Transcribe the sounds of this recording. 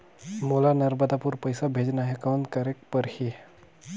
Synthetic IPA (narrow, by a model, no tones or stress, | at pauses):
molanəɾbəd̪apuɾpəjsabʱed͡ʒnaɦekawnt̪kəɾek̚pəɾhi